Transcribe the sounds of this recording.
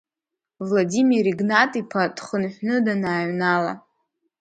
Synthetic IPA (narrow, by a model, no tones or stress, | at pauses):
vladimiɾiɡnatʼipʰadχənħʷnɨdanaːɥnala̰